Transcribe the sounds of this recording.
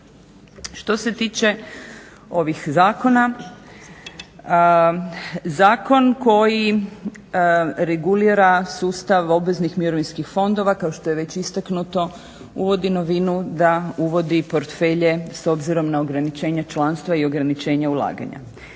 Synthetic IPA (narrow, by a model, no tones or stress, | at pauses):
ʃt̪o̞set̪iːt͡ʃe̞ | o̞ʋixzaːko̞na | zaːko̞nko̞ji | ɾeɡuliːɾasuːst̪aʋo̞bʋeznixmiɾoʋinskixfo̞nd̪o̞ʋakao̞ʃt̪ojeʋe̞t͡ɕist̪aknut̪o̞ | ṵʋo̞d̪ino̞ʋinud̪auʋo̞d̪ipo̞ɾt̪fe̞ʎe̞so̞bziɾo̞mnao̞ɡɾanit͡ʃe̞ːɲat͡ʃlˠanst̪ʋaio̞ɡɾanit͡ʃe̞ːɲaulˠa̰ːɡa̰ɲa̰